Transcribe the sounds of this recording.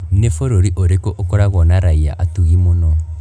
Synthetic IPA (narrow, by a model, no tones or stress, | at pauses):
nefoɾoɾiʔoɾekoʔokɔɾaɣɔnaɾaia̰ʔatuɣimonɔ